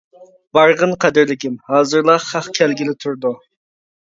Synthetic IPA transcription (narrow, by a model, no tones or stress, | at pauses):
b̥ɑɾʁənqʰɛd̪ɪɾlɪkʲʰɪmhɑːzɨɾlˠɑχɑχkʲʰælɡʲilɪt̪ʰuɾd̪u